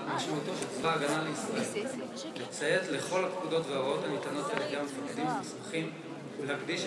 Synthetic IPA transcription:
maʃmaut̪otevaːɡanaleisʁaʔe̞l | let͡seet̪le̞χo̞lapkud̪o̞tveaʁot̪anit̪ano̞t̪elaɡiamefakd̪imvesmaχim | vleakd̪iʃ

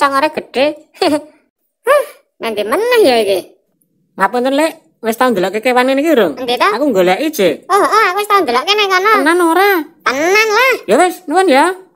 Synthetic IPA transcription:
saŋoɾɛɡ̥əɖ̥e | h | nant̪imənːəhjaiki | lapʊnt̪ʊnleʔ | west̪aund̪əlɔʔkekewanenikiuɾʊŋnd̪it̪ɔakuŋɡoleaʔid̥ʒ̥eɔɦʔɔakuɪst̪aund̪əloʔkenaikanaənːanoɾapənːanlahjowɛsnuwɔnja

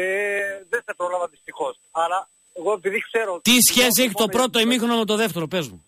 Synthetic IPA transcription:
eðesepɾolɐvɐt̪ist̪ixos | ɐlɐ | eɣoepiðikseɾot̪isçe̞s̬ieçit̪o̞pɾo̞t̪o̞imixɾonomet̪o̞ðeft̪e̞ɾo̞pezmṵ

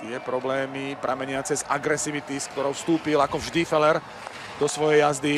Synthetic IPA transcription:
t̪ɪɛpɾɔblɛːmipɾʔamɛɲɪat͡sɛzaɡɾɛsiʋit̪iskt̪ɔɾɔʊfst̪uːpilakɔvʒd̪ifɛlɛɾ | d̪ɔsʋɔjɛjazd̪i

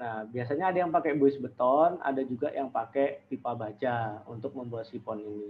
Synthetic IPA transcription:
nahbias̬aɲaːdajaŋpakɛbuɪsbət̪ɔna̰dad͡ʒuɡa̰jaŋpakɛt̪ipabad͡ʒaunt̪ʊk̚məmbuat̪sipɔnini

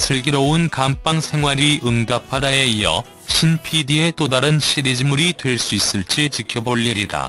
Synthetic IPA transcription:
sʰɯɭɡiɾounkamp͈aŋsʰe̞ŋɦwaɾiɯŋdapʰaɾae̞iʌ̰ | ɕʰinpʰidie̞t͈odaɾɯnɕʰided͡ʑimuɾidwe̞ɭs͈uis͈ɯɭt͡ɕ͈it͡ɕikʰjʌboʎːiɾida̰

